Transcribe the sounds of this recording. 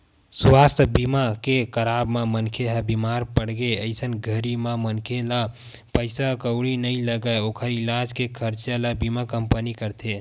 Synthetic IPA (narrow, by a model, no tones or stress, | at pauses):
swast̪ʰbimakekəɾabmamənkʰeɦəbimaɾpəɽɡeəɪsənɡʱəɾimamənkʰela | pəjsakəwɽinəjləɡəokʰəɾilad͡ʒkekʰəɾt͡ʃjalabimakəmpənikəɾt̪ʰe